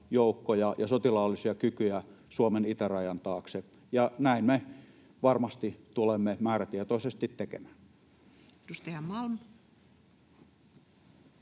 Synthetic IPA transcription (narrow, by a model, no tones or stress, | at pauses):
joˑukːojɑjɑsot̪ilɑolːisiɑkykyjæsuomenit̪ærɑjɑnt̪ɑːkse | jɑnæˑinme | ʋɑrmɑst̪it̪ulemːemæːræt̪iet̪oˑisest̪it̪tekḛmæː | t̪ust̪ehæmmɑlm